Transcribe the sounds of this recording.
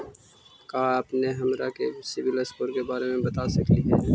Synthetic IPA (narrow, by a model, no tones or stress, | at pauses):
kaːəpneɦɐmɾakesɪbɪləspʊɾkebaːɾemẽbɐt̪aːsɐkliɦɛː